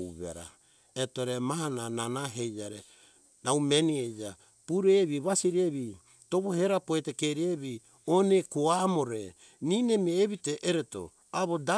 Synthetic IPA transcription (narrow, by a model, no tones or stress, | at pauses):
βḛɾa̰ | etoɾemaɦanananaɦejd͡ʒaɾe | nawmenied͡ʒa | puɾeβiβasiɾieβi | toβoheɾapoetekeɾieβi | onekoamoɾe | ninemieβiteʔeɾeto̰ | aβoda